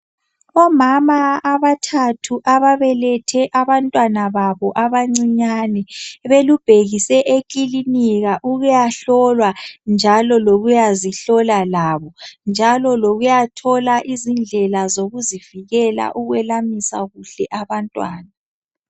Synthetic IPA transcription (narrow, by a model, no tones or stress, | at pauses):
ɔmamaːβatʰatʰuʔaβaβɛlɛtʰɛʔaβantʼwanaβaβɔʔaβaŋ͡ǀiɲanɛβelub̥ʱeɣisɛʔekʼiliniɣaʔuɣujaɬɔlwand͡ʒʱalɔloɣujaziɬɔlalaβɔnd͡ʒʱalɔloɣujatʰɔlaʔizind͡ɮʱɛlazoɣuziv̥iɣɛla̰ʔuɣwɛlamisa̰ɣuɬɛʔaβantʼwa̰ːna